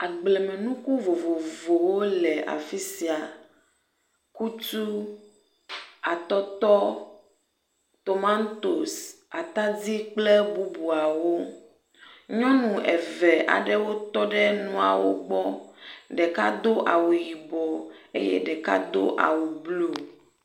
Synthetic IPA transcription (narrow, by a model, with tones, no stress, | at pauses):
a˨ɡ͡blɛ˨mẽ˨nũ˦ku˦vo˨vo˨vo˨wo˦lɛ˨ʔa̰˨fi˦si˨a˨ | ku˦t̪u˦ | a˨t̪ɔ˦t̪ɔ˦ | t̪o˨mã˦nt̪o˨s | a˨t̪a˦d͡zi˦k͡plɛ˦bu˦bu˨a˨wo˦ | ɲɔ̃˦nũ˨ɛ˨vɛ˨ʔa̰˨ɖɛ˦wo˦t̪ɔ˦ɖɛ˦nũ˦a̰˨wo̰˦ɡ͡bɔ˦ɖɛ˨ka˦d̪o˦ʔa˨wu˨ji˨bɔ˨ḛ˦jɛ̰˦ɖɛ˨ka̰˦d̪o̰˦ʔa̰˨wu˨blo˦˨